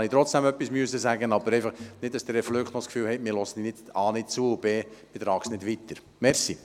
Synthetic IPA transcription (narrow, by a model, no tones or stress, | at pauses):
ɑnit̪ɾɔt͡sd̥ɛmœpːismyəsəsæɡənɑbəɾɛɪfɑχnɪd̚dɑsd̥̪əɾɛfløktnɔskfyːlhɛɪtmɪɾlɔsənɪdɑːnɪd̚t͡suəub̥eːb̥et̪ɾɑːksnɪdʋit̪əɾ | mɛɾsi